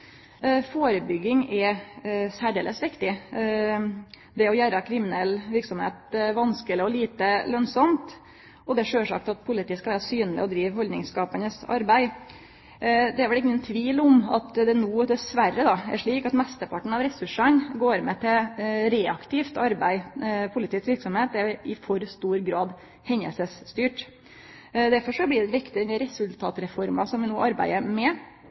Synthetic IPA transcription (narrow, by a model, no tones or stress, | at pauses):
foːɾəbʏɡːɪŋɛ | sæːɖeːləsʋɪkt̪ɪ | d̪ɛɔjæːɾəkʰɾɪmɪnɛlːʋɪɾksɔmhḛːt̪ʋɑnskəlɪɔliːt̪əlœnsɔmt̪ | ɔd̪ɛæʂøːʂɑ̰k̚t̪ɑt̪̚pʰʊlɪt̪iːəskɑʋæːɾɑsyːnlɪ̰ɔd̪ɾiːʋhɔld̪nɪŋskɑːpənəsɑ̰ɾbæɪ | d̪ɛæɾʋɛlɪŋːənt̪ʰʋiːlʊmɑ̰t̪d̪ɛnuːd̪ɛsʋærəd̪ɑæ̰ʂɭiːkɑt̪mɛst̪əɾpʰɑʈɳ̩ɑʋɾɛsʉʂənɡoːɾmɛt̪ʰɪɾeːɑkt̪ʰɪft̪ɑɾbæɪpʰʊlɪt̪iːsʋɪɾksɔmheːt̪̚æɪfɔɾst̪uːɾɡɾɑːd̪ | hɛɲːə̰lsəsːt̪yːʈ | d̪æɾfɔʂɔblɪd̪ɛʋɪkt̪ɪʉnːəɾɛsʉlt̪ʰɑːt̪ɾɛfɔɾmɑsɔmʋɪnuːʔɑɾbæ̰ɪəmɛ